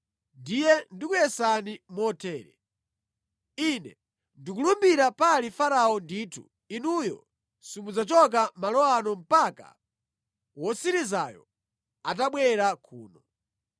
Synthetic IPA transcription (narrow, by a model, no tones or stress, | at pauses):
ndijɛndikujɛsanimɔtʰɛːɾɛ̰ | inɛ | ndikulumbiɾapalifaɾaɔndiːtʰṵ | inujɔ̰ | simud͡zat͡ʃɔk̬amalɔwanɔm̩paka̰ | wɔsiɾiza̰jɔ̰ | at̬aɓwɛɾakʰuːnɔ